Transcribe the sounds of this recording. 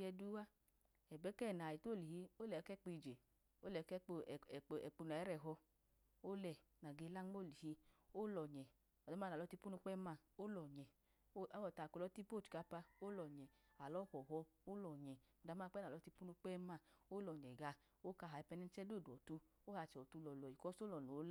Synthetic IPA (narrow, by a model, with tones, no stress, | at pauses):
ɛ˧du˦wa˦ | ɛ˨bɛ˨˦kɛ˦˨na˨ji˨to˦˨li˨hi˧o˦lɛ˨˦kɛ˦k͡pi˧˨d͡ʒe˨ | o˦lɛ˨˦kɛ˦k͡pɛ˨k͡pu˧na˨ɛ˨˦ɾɛ˨ɦɔ˧ | o˦lɛ˨ | na˨ɡe˧la˦ŋ˦o˦˨li˨hi˧o˦lɔ˨ɲɛ˨ | ɔ˨da˨˦m˦a˦n˨a˨lɔ˧ti˧pu˦nu˧k͡pɛ˦ma˧˨o˦lɔ˨ɲɛ˨˦ | wɔ˨˧˨ta˨klɔ˦ti˦po˦˨t͡ʃka˧pa˧o˦lɔ˨ɲɛ˨a˨lɔ˨˦hɔ˨ɦɔ˧ | o˦lɔ˨ɲɛ˨ | ɔ˨da˧˦ma˦˧k͡pɛ˦na˨lɔ˨˧˦ti˧pu˦nu˧k͡pɛ˦ma˧˨o˦lɔ˨ɲɛ˨ɡa˧ | o˦ka˧˨ɦa˨i˧pɛ˧nɛ˦t͡ʃɛ˦do˦˨du˨ɔ˨tu˧ | o˦ha˧t͡ʃɛ˨ɔ˨tu˧lɔ˨lɔ˨i˨kɔ˦so˦lɔ˨no˨˦l